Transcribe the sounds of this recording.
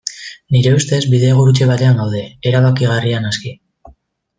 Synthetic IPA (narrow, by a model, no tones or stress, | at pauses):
niɾe̞ust̪e̞zbiðe̞ːɣuɾut͡ʃe̞βat̪e̞aŋɡawð̞e̞ːɾaβakiɣ̞arianaski